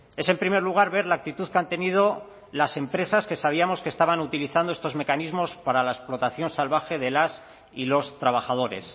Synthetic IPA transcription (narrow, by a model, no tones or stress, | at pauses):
e̞se̞mpɾime̞ɾluɣ̞aɾβe̞ɾlaːk̚t̪it̪uðkant̪e̞nið̞o̞ | lase̞mpɾe̞saske̞saβ̞iamo̞skest̪aβanut̪iliθand̪oe̞st̪o̞zme̞kanizmo̞spaɾalaesplo̞t̪aθjo̞nsalβ̞axe̞ðelas | ilo̞st̪ɾaβ̞axað̞o̞ɾḛs